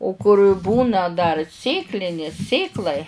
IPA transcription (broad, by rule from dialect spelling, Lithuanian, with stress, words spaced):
oː kʊrʲ ˈbuːnɐ dɐr ˈsʲeːklʲɪnʲeːs ˈsʲeːklˠɐɪ